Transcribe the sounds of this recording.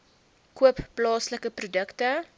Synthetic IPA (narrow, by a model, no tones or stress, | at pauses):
kuəpːlɑːsləkəprudəktə